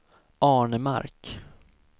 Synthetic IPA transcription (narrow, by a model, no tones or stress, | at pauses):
ʔɑːɳəma̰ɾk